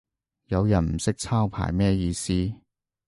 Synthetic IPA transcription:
jɐ˨˧wjɐ˨˩nm̩˨˩sɪ˥k̚t͡sʰaː˥wpʰa̰ː˨˩jmɛː˥jiː˧siː˥

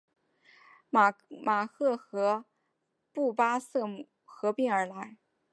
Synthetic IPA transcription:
ma˨˩xʰɤ˥˩xɤ˧˥ | pu˥˩pa˥sɤ˥˩mu˨˩ | xɤ˧˥pi˥ŋə˞˧˥la˧˥ɪ

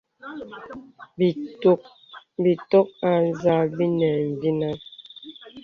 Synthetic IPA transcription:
b | bi˨tɔ˦k̚a˨n˦˨za˦bi˦nɛ˨m̩˨vi˦na˦

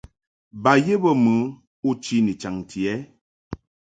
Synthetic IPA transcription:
ba˨je˦bə˦mɨ˨˦ | u˦t͡ʃi˦ni˨t͡ʃa˨ŋtʰi˨ɛ˨˦

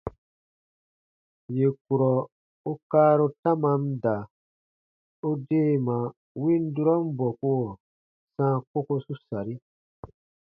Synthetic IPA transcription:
je˨k̚u˨ɾɔ˨ | o˦kaː˦ɾo˦tã˦mã˦n˦da˨ | o˦deː˦˨mã˨ | wĩ˦n˦du˦ɾɔ˦m˦bɔ˨ku˦o˨ | sãː˦ko˦ko˦su˦sa˨ɾi˦

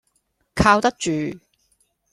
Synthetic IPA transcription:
kʰaː˧wt̪ɐ˥k̚t͡ʃyː˨

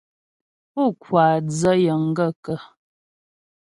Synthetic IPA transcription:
pɔ˦˨kwaː˨d͡zə˦jə˨ŋ̩˦ɡə˦˨kə˨

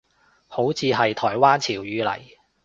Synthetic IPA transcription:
ho˨˥wt͡sʰiː˨˧ɦɐ˨jt̪ʰɔː˨˩jwaː˥nt͡sʰiː˨˩wjyː˨˧lɐ̰˨˩j

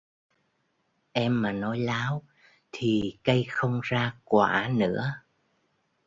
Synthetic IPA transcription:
ʔɛ˧mːaː˨˩nɔ˨˦jlaː˨˦w | t̪ʰi˨˩kə˧jxə˧wŋ͡mzaː˧kwa̰ː˧˩˥nɨ̰˧˥ə

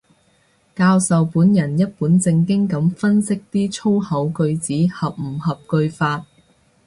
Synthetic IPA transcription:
kaː˧wsɐ˨wpuː˨˥njɐ˨˩njɐ˥t̚puː˨˥nt͡sɪ˧ŋkɪ˥ŋkɐ˨˥mfɐ˥nsɪ˥k̚t̪iː˥t͡sʰo˥whɐ˨˥wkɵ˧ɥt͡siː˨˥hɐ˨p̚m̩˨˩hɐ˨p̚kɵ˧ɥfaː˧t̚

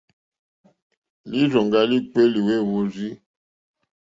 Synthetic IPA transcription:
li˦zɔ˨ŋɡa˦li˦k͡pe˦li˨we˦˨wo˦zi˦

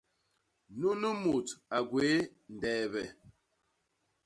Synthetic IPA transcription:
nu˦nə˦mu˨ta˨ɡwee˨˦n̩˨dɛː˨βɛ˨

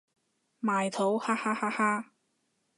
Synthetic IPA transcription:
maː˨jt̪ʰo˨˥whaː˥haː˥haː˥haː˥

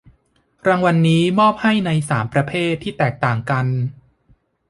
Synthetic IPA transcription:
ɾaː˧ŋwa˧nːiː˦˥mɔː˥˩p̚ha˥˩jna˧jsaː˩˦mpɾa˧pʰeː˥˩t̪ʰːiː˥˩t̪ɛː˨˩k̚t̪aː˨˩ŋka˧n

